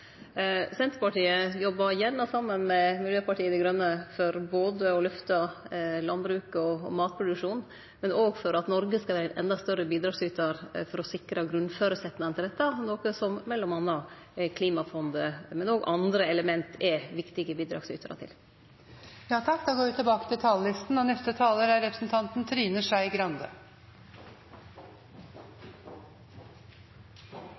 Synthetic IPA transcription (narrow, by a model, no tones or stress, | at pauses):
sɛnt̪ɾəpɑʈiːəjɔbːɑjæɳːɑsɑmːənmɛmɪljøːpɑʈʰiːəd̪ɛɡɾœnːəfɔɾboːd̪əɔlʉft̪ɑlɑnbɾʉːkɔmɑːt̪̚pʰɾʊd̪ʉkʂuːn | mɛnoːɡfɔɾɑt̪nɔɾɡəskɑʋæːɾənʔɛ̰nd̪ɑst̪œɾəbiːd̪ɾɑːɡsyːt̪ɑɾfɔɾɔsɪkɾɑɡɾʉnføːɾəsɛt̪ːnɪŋnʰɪld̪ɛt̪ːɑnoːkəsɔmmɛlːɔmɑnːɑ | kʰliːmɑfɔnd̪əmɛnoːɡʔɑnd̪ɾəɛləmɛnt̪ɛʋɪkt̪ɪɡəbiːd̪ɾɑ̰ːksy̰ːt̪ʰɾɑ̰t̪ʰɪ̰l | jɑːt̪ʰɑk̚d̪ɑːɡoːɾʋɪt̪ɪbɑːkə̥t̪ɪlt̪ʰɑːllɪst̪n̩ɔnɛft̪ət̪ʰɑːləɾæɾɛpɾəsn̩t̪ʰɑnt̪nt̪ʰɾyːnəʂæɪɡɾɑnd̪ə